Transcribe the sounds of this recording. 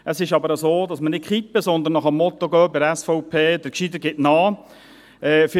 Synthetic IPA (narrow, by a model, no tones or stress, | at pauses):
əsɪʃɑbəɾəzoːd̪ɑsmənɪt̚kχipːəsɔnd̪ənːɔχəmːɔt̪ɔɡœːbɪɛsfɔʊpʰeːd̥əɾkʃidəɡɪtnɑː | ɛːf